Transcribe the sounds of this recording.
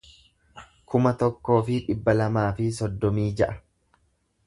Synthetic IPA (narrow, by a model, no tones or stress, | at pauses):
kʰʊmɐt̪ɔkːo̞ːfɪᶑɪbːɐlɐmaːfɪs̬ɔd̪ːɔmiːd͡ʒɐʔɐ